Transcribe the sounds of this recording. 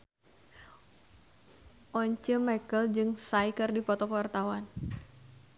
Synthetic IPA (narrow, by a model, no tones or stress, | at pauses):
ʔɔɲt͡ʃəmɛkəld͡ʒɨŋsaikərdipɔt̪ɔkwart̪awan